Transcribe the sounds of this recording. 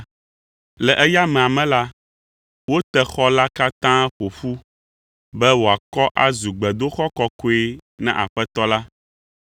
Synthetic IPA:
lɛ˨ʔɛ˦ja˦mɛ̃˨a˨mɛ̃˦la˦ | wo˦t̪ɛ˦˨xɔ˦la˦ka˦t̪ã˦ɸo˨ɸu˦ | bɛ˦wo˨a˨kɔ˦ʔa˦zu˨ɡ͡bɛ˨d̪o˦xɔ˦kɔ˦ko˦e˦nɛ̰̃˦ʔa̰˨ɸɛ˦t̪ɔ˦la˦

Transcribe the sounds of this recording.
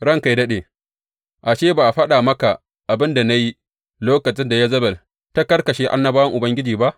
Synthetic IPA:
ɽɐ˦ŋka˨jdɐ˦ɗeː˨ | ʔa˨ʃeː˦ba˨ʔa˨ɸɐ˦ɗaː˨mɐ˦ka˨ | ʔa˨bɪ˦nda˨na˦ji˦ | loː˦kɐ˨t͡ʃɪ˦nda˨ja˦zɐ˦bɐ˨l | ta˦kɐ˦rkɐ˨ʃeː˦ʔa̰˦nːɐ˦baː˦wɐ˦ŋʔʊ˨bɐ˦ŋɡʲɪ˦d͡ʒiː˨ba˦ʔ

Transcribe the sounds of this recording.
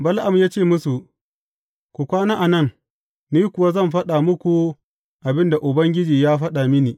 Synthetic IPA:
bɐ˦lʔa˨mjaː˦t͡ʃeː˦˨mʊ˦su˨ | kʷu˨kʷaː˦naː˦ʔa˨nɐ˦˨ŋ | niː˦kʷʊ˨wa˦zɐ˦˨mɸɐ˦ɗa˨mʊ˦kʷu˨ | ʔa˨bɪ˦nda˨ʔʊ˨bɐ˦ŋɡʲɪ˦d͡ʒiː˨jaː˦ɸɐ˦ɗa˨mɪ˦niː˨

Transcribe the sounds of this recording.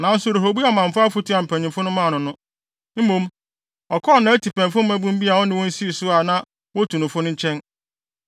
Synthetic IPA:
nã˨n̩˦sʊ˨ɾo˨ɦo˨bu˦a˨mã˨ɱ̩˨fʊ˦a˦fu˦tʰi˦a˨m̩˨pʰæ̃˨ɲ˨ɪ̃˨fʊ˦nʊ̃˦mãː˦˨nʊ̃˨nʊ̃˦ | m̩˦mõ˦m | ɔ˨kʰɔ˦˨nã˨˦tʰi˨pɛ̃˨nfʊ̃˦m̩˦æ̃˦bũ˦m̩˦bi˦a˨wɔ˦nɪ̃˦wɔ̃˦n̩˦si˦i˨sʊ˦a˨nã˦ | wɔ˦tʰu˨nʊ̃˨fʊ˦nʊ̃˦ɲ̩˦t͡ɕʰɛ̃˦n

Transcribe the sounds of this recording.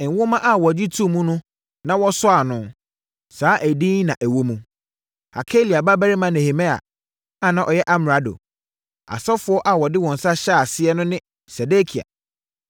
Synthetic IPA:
ŋ̩˨wʊ˦mã˦ʔa˨wɔ˨d͡ʑi˦tʰu˦˨mũ˦nʊ̃˦ | nã˦wɔ˦sɔ˦a˨nʊ̃˨˦ | saː˨˦ʔæ˨dĩː˦nnːã˨ʔæ˨wo˦mũ˨ | ha˨kʰe˦li˨a˨ba˦bæ˦ɾɪ˦mã˦nɛ̃˨he˨mɛ̃˦a̰˨ | ã˦˨nã˨ʔɔ˨jɛ˦ʔa˦m˨ɾa˨do̰˨ | a̰˨sɔ˦fʊ˦ɔ˦ʔa˦wɔ˨dɪ˦wɔ̃˨n̩˨sa˦ɕɛ˦a˨sɪ˦ɛ˦nʊ̃˦nɪ̃˦ | sɛ˨de˦kʰi˨a̰˨

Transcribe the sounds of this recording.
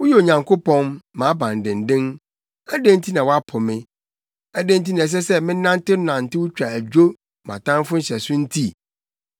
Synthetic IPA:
wʊ˦jɛ˦o˨ɲã˨ŋkʰo˦pɔ̃˦nːãː˨˦bã˨n˨dɪ̃˨n̩˨dɪ̃˦n | æ˦dẽ˦n˦tʰi˦nã˨wɔ˦a˦pʰʊ˨mɪ̃˦ | æ˦dẽ˦n̩˦t̬i˦nã˨ɛ˨s̬ɛ˦sɛ˦mɪ̃˦nã˦n˦tɪ˦nã˨n̩˨tɪ˦wʊ˦t͡ɕᶣa˨æ˨d͡ʑᶣo˦ | mã̰˨tʰã˦m˦fʊ˦n̩˦ɕɛ˨sʊ̃˦n̩˦tʰi˦˨

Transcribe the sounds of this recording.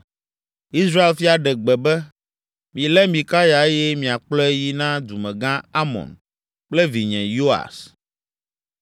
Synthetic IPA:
i˦sɾa˦e˨lfi˦a˨ɖɛ˨ɡ͡bɛ˨bɛ˦ | mĩ˨lɛ˦mĩ˨ka˦ja˨e˦jɛ˦mĩ˨a˨k͡plɔ˦e˦ji˦nã˦d̪u˨mɛ̃˨ɡã˦a˦mɔ̰̃˨n | k͡ple˦vi˨ɲɛ̃˨jo˦a̰˨s

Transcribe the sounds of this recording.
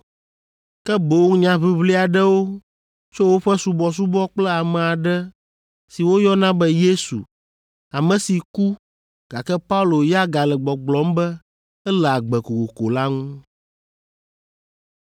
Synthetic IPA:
kɛ˦bo˨˦ŋ˦ɲã˦βi˦βli˦a˨ɖɛ˦wo˦ | t͡ʃo˦wo˦ɸɛ˦su˦bɔ˨s̬u˦bɔ˦k͡plɛ˦a˨mɛ̃˨a˨ɖɛ˦ | si˨wo˦jɔ˦nã˦bɛ˦je˦sṵ˨ | a˨mɛ̃˨si˨ku˦ | ɡ̥a˨kɛ˦pa˦u˦lo˨ja˦ɡa˨lɛ˨ɡ͡bɔ˨ɡ͡blɔ˨˦mbɛ˦ | ɛ˦lɛ˨a˨ɡ͡bɛ˨ko˨ko˨ko˨la˦ŋũ˦

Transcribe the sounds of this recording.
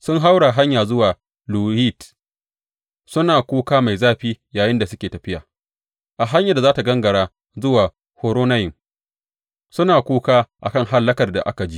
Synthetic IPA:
sʊ˦ŋɦa˦wɽa˨ɦa˦ɲjaː˨zʊ˦waː˨ | luː˨hi˦˨t | sʊ˦naː˨kʷuː˦kaː˦ma˨jzaː˦ɸiː˦jaː˨jɪ˦nda˨sʊ˦kʲeː˨tɐ˨ɸɪ˦jaː˨ | ʔa˨ɦa˦ɲjɐ˨da˨zaː˦ta˨ɡɐ˦ŋɡɐ˨ɽaː˦ | zʊ˦waː˨ | hoː˦ɾoː˦na˦jɪ˨m | sʊ˦naː˨kʷuː˦kaː˦ʔa̰˨kɐ˦˨ŋɦa˦lːɐ˦kɐ˨rda̰˨ʔa̰˦ka˨d͡ʒi˦

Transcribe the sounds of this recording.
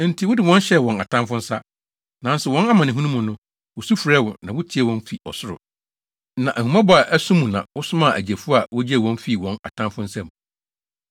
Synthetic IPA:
n̩˨tʰi˨wʊ˦dɪ˨wɔ̃˦n˦ɕɛ˦˨wɔ̃˨na˨tʰã˦mfʊ̃˦n̩˦sa˦ | nã˨n˦sʊ˨wɔ̃˦na˦mã˨nɪ̃˨ɦũ˦nũ˦mũ˨nʊ̃˦ | wʊ˨su˦fu˨ɾɛ˦wɔ̃˨nã˨wʊ˦tʰɪ˦ɛ˦˨wɔ̃˦n˦fi˨ɔ̰˨sʊ˦ɾʊ̰˨ | nã˨ʔæ˨hũ˨mã˦bɔ˨a˨ʔæ˦sũ˦mũ˨nã̰˨wʊ˦sʊ˦mã˦˨ʔæ̰˨d͡ʑi˨æ˨fu˦a˨wɔ˦d͡ʑi˦ɛ˨wɔ̃˦n˦fi˦˨wɔ̃˦na̰˨tʰã˦mfʊ̃˦n̩˦sa˦mũ˨

